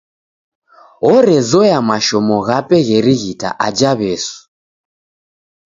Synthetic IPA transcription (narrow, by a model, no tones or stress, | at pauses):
ɔɾɛzɔjamaʃɔmɔɣapɛɣɛɾiɣita̰ʔad͡ʒaβɛsu̥